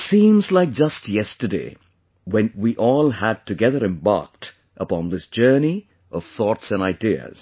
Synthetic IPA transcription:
sĩːmzlaɪk̚d͡ʒʌstjɛstə˞dḛɪ | wɛ̃nwiʔɔːlˠæd̚tɨɡɛðə˞ɨ̃mbɑ̰ɹk̚t | ʔəpɑ̃nðɪsd̥d͡ʒ̥ɜ˞ni | ʔʌv̥θɔtsɨ̃naɪdiə̰z̥

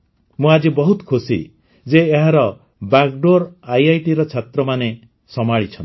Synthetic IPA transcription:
mũad͡ʒibɔɦut̪kʰusḭ | d͡ʒeːɦaɾɔ | bakɖoɾajajʈiɾɔt͡ʃʰat̪ɾɔmane | sɔmaɭit͡ʃʰɔn

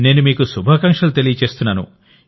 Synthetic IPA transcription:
ne̞ːnumiːkusubʱɐkɐŋkʂɐlut̪elijɐt͡ʃe̞ːst̪unːaːnṵ

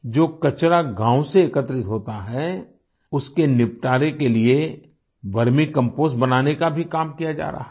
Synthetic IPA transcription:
d͡ʒoːkɐt͡ʃɾaɡãːw̃seːkət̪ɾɪt̪ɦoːt̪aɦɛ | ʊskenɪpt̪aːɾekelie | ʋɐɾmikɐ̃mpoːsbɐnaːnekabʱikaːmkijad͡ʒa̰ːɾa̰ːɦ

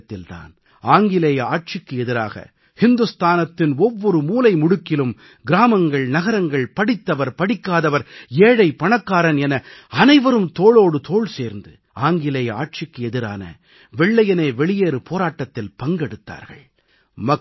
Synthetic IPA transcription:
t̪ːɪlt̪a̰ːn | aːŋɡɪleːjɐaːʈ̚t͡ʃɪkːɯɛðɪɾaːɣɐ̰ | hɪnd̪ɯst̪aːnɐt̪ːɪnɔʋːɔɾɯmuːlɐɪmʊɽɯkːɪlɯm | ɡɪɾaːmɐŋɡɐɭnɐɣɐɾɐŋɡɐɭpɐɽɪt̪ːɐʋɐɾpɐɽɪkːaːðɐʋɐɾeːɽɐɪpɐɳɐkːaːɾɐnɛnɐɐnɐɪʋɐɾɯmt̪oːɭoːɽɯt̪oːɭseːɾnd̪ɯ | aːŋɡɪlejɐa̰ːʈ̚t͡ʃɪkːɯɛðɪɾa̰ːnɐ̰ | ʋɛɭːɐjɐneːʋɛɭɪjeːɾɯpoːɾaːʈːɐt̪ːɪlpɐŋɡɛɽɯt̪ːa̰ːɾɣɐ̰ɭ | mɐ

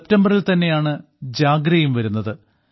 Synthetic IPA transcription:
eptɐmbɐrilt̪ɐnːe̞jaːɳɨ | d͡ʑaːɡɾɐjumʋɐɾunːɐðɨ

